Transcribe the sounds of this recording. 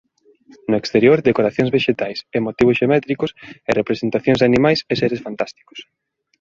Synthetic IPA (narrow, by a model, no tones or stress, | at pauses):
nʊekst̪eɾjoɾd̪ekoɾaθjõŋzβeʃet̪ajsemot̪iβʊsʃemɛt̪ɾikʊserepɾesent̪aθjõŋzðanimajseseɾesfant̪ast̪i̥ko̥s